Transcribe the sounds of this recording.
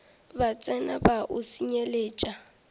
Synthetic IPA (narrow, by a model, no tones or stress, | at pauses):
bat͡sʼɛnabaʔʊsiɲeleːt͡ʃʼa